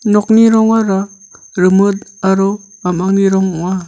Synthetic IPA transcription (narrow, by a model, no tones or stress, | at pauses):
nɔk̚niɾɔŋaɾa | ɾɯmɯt̚aɾɔamaŋniɾɔŋɔŋa